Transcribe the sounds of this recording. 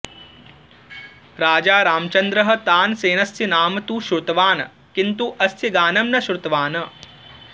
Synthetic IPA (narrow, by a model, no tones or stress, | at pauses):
ɾaːd͡ʒaːɾaːmɐt͡ʃɐnd̪ɾɐɦɐ̆t̪aːnseːnɐsinaːmɐt̪uːʃɾut̪ɐʋaːnɐ | kint̪uʔɐst̪ʰiɡaːnɐmnɐʃɾut̪ɐʋaːnɐ